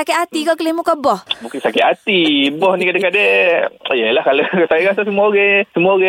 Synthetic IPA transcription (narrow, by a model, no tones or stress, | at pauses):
akɛat̪ikɔkəlehmukabɔhmukisakɛat̪ibɔhnikadekade | jəlahkalosajiɡasasəmuaɡesəmuaɡe